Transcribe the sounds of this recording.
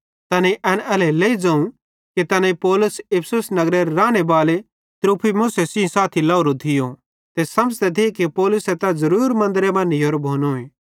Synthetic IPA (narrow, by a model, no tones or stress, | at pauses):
t̪ɐnẽʔɛːnɛːleleːid͡ʒãːũ | kit̪ɐnãipɔːlʊsɪpʰsʊsnɐɡɾeɾɾaːɽ̃ebaːle | t̪ɾuːpʰimʊːsesiĩsaːt̪ʰilaːʊɾot̪ʰɪjo | t̪esɐməd͡ʒt̪ɛt̪ikipɔːlʊset̪ɐzɐɾuːɾmɐ̃nd̪əɾemɐ̃nioːɾbʱoːnoːẽː